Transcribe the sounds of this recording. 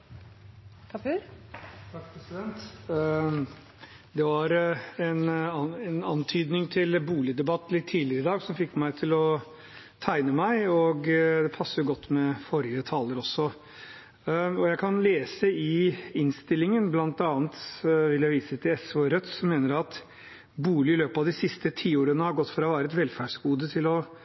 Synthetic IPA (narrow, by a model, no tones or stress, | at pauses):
t̪ʰɑk̚pʰɾɛsɪd̪ɛnt̪ | d̪ɛʋɑɾɛnɛnɑnt̪ʰyːd̪nɪŋt̪ʰɪlbuːlɪd̪ɛbɑt̪ːlɪt̪ʰːiːlɪɾəɪd̪ɑːɡsɔmfɪkːmæɪt̪ʰɪlɔ | t̪ʰæɪnəmæɪɔɡd̪ɛpʰɑsːəɾjʊɡɔt̪ːmɛfɔɾɪət̪ʰɑːləɾɔsːɔ | ɔjæɪkʰɑnleːsəɪɪnst̪ɪlːɪŋənblɑnt̪ɑːnt̪ʋɪljæɪʋiːsət̪ʰɪlɛsoːɾœt̪sɔmeːnəɾɑt̪ | buːlɪɪløːpɑʋd̪ɪsɪst̪ət̪ʰiːoːɾənəhɑɾɡɔt̪ːfɾɑʋæːɾəɛt̪ʋɛlfæɖʂɡuːd̪ət̪ʰɪlɔ